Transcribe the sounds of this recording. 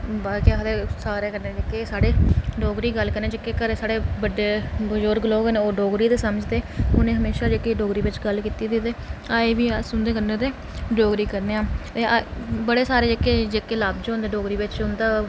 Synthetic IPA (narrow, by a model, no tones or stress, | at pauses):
baːkiaɦəd̪əsaːɾeːkəɾneːd͡ʒəkːeːsaːɽeːɖoːɡɾiːɡəlkəɾneːd͡ʒəkːeːkəɾsaːɽeːbəɖeːbəd͡ʒoːɾɡəloːkəneːoːɖoːɡɾiːt̪eːsəməd͡ʒd̪eːʊnẽːɦəmeːʃaːd͡ʒekeːɖoːɡɾiːʋɪt͡ʃɡəlkiːt̪iːd̪ɪt̪eːaːeːʋiːsʊnd̪eːkənẽːt̪eː | ɖoːɡɾiːkəɾneːãːt̪eːbəɽeːsaːɾeːd͡ʒəkːeːd͡ʒekːeːlaːbd͡ʒoːnd̪eːɖoːɡɾiːʋɪt͡ʃɦʊnd̪aː